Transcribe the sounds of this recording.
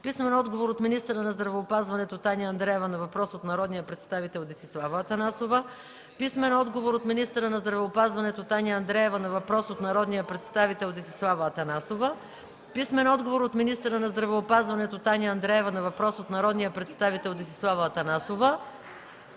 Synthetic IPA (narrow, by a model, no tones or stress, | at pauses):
pismɛnɔd̪ɡovoɾot̪minist̪əɾənɐzd̪ɾɐvɛopazvɐnɛt̪ot̪anʲəɐnd̪ɾɛɛvɐnɐvɐpɾɔsot̪nɐɾɔd̪nijəpɾɛt̪st̪avit̪ɛlˠd̪ɛsislˠavəːt̪ɐnasovə | pismɛnɔd̪ɡovoɾot̪minist̪əɾənɐzd̪ɾɐvɛopazvɐnɛt̪ot̪anʲəɐnd̪ɾɛɛvɐnɐvɐpɾɔsot̪nɐɾɔd̪nijəpɾɛt̪st̪avit̪ɛlˠd̪ɛsi̥slˠavəːt̪ɐnasovə | pismɛnɔd̪ɡovoɾot̪minist̪əɾənɐzd̪ɾɐvɛopazvɐnɛt̪ot̪anʲɐnd̪ɾɛɛvɐnɐvɐpɾɔsot̪nɐɾɔd̪nijəpɾɛt̪st̪avit̪ɛlˠd̪isislˠavəːt̪ɐnasovə